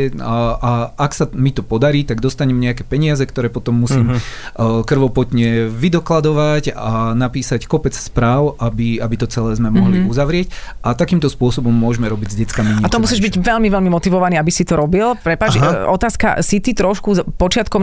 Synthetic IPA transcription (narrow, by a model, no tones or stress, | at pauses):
ʔaaksamit̪ɔpɔd̪aɾiːt̪aɡd̪ɔst̪aɲɛmɲɛakɛːpɛɲɪazɛkt̪ɔɾɛːpɔt̪ɔmːusiːm | kr̩ʋɔpɔt̪ɲɛʋid̪ɔklad̪ɔʋacanapiːsackɔpɛt͡sspɾaːʊʔabiabit̪ɔt͡sɛlɛːzmɛmɔɦliuzaʋɾɪɛcat̪akiːmt̪ɔspʊɔsɔbɔmːʊɔʒmɛɾɔbiɟzɟɛt͡skamiɲɛaɔmusiʒbiɟʋɛlmiʋɛlmimɔt̪iʋɔʋaniːabisit̪ɔɾɔbilpɾɛpat͡ʃɔt̪aːska̰sit̪it̪ɾɔʃkuzpɔt͡ʃɪat̪kɔm